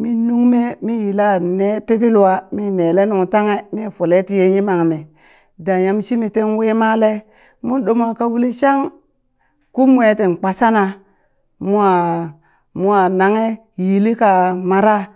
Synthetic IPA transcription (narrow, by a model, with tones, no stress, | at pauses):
mi˦nu˦ŋme˦mi˦ji˨la˦ne˦pe˦pi˦lu˦wa˦mi˦ne˨le˦nu˨ŋ˨ta˦ŋe˦mi˦˨fo˨le˦ti˨je˦ɲi˦ma˨ŋ˨me˨ | da˨ja˨m˦ʃi˦mi˨te˦nwe˦ma˦le˦ | mu˦n˦ɗo˦m˦a˨ka˦wu˦li˦ʃa˦ŋ | ku˦mu˦e˨te˨n˨k͡pa˨sa˦na˨ | mu˦a˨ | mu˦a˨na˨ŋe˦ | ji˨li˦ka˨ma˨ɾa˦